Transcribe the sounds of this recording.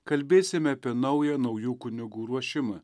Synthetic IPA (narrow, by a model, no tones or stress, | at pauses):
kɐlʲbʲeːsʲɪmʲɛɐpʲiɛnɐʊjɛːnɐʊjuːkʊnʲɪɡuːɾuɔʃʲɪmɐː